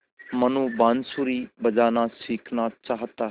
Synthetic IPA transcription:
mənũːbaːnsuɾiːbəd͡ʒaːnaːsiːkʰnaːt͡ʃaːɦət̪aː

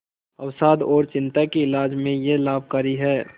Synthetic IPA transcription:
ɐwsaːd̪ɔːɾt͡ʃɪ̃nt̪akiɪlaːd͡ʒmẽjelaːb̚kaɾiɦɛː

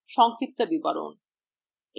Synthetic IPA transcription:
ʃɔŋkʰit̪ːabibaɾo̰n

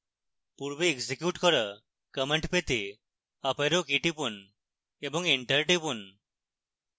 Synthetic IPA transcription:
puɾʋeːɡsikjuːʈkɔɾə | kəmeɳʈpet̪e | apeɾokiʈipun | ebɔŋɡiɳʈəɾʈipun

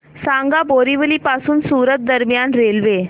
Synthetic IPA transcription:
saŋɡaboɾiʋəliːpasuːnsuɾət̪̚d̪əɾmjanɾelʋe

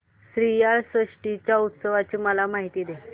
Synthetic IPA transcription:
sɾijaɭsəʂʈit͡ɕjaut̪səʋat͡ɕiːməlamaɦit̪iːd̪e

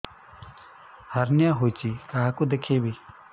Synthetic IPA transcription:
hɐɾnjaːɦoːt͡ʃiːkaɦakod̪ekʰeːbiː

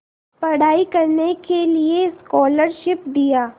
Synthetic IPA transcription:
pɐɽ̤aːikɐɾnekelieskɔːləɾʃɪp̚d̪ijaː

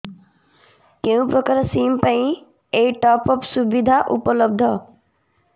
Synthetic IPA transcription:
keũpɾɔkaɾsiːmpaĩ | eiʈɔːpɔpsubid̪ʱaʔupɔlɔb̚d̪ʱɔ

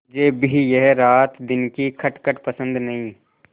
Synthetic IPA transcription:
d͡ʒeːbʱijɛɦɾaːt̪d̪ɪnkikʰɐʈkəʈpəsə̃nd̪nɐɦĩː

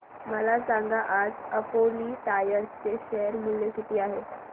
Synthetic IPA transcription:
məlasãŋɡaʔad͡zəpoliːt̪ajəɾt͡seɕɛəɾmuljekit̪iːaɦe

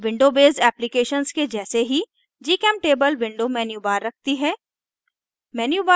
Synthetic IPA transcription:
ʋɪ̃ɳɖobeːzɛːplikeːʃənsked͡ʒɛːseɦi | d͡ʒiːkɛːm̚ʈeːbəlʋɪ̃ɳɖomɛːnjuːbaːɾːɐk̚ʰt̪iɦɛː | mɛːnjubaː

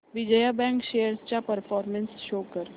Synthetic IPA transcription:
ʋɪd͡ʒəjabɛ̃ːŋkʃeːjəɾst͡ʃapɐɾfʰɔːɾmə̃nsʃoːkəɾ

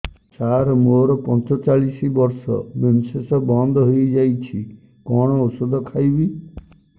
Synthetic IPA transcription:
t͡ʃaɾmoɾɔpɔnt͡ʃɔt͡ʃaɭisibɔɾsɔ̰bemisesɔbɔnd̪ʱɔɦojd͡ʒajt͡ʃʰi | kɔɽ̃ɔosod̪ʱɔkʰajbi

